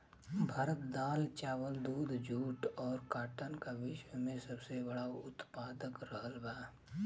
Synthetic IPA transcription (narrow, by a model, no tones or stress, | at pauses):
bʱaːɾət̪d̪aːlt͡ʃaːʋəld̪uːd̪ʱd͡ʒʱuːʈɔːɾkaːʈənkaʋɪʃwəmẽsɐbsebɐɽaʊt̪paːd̪əkɾəɦəlbaː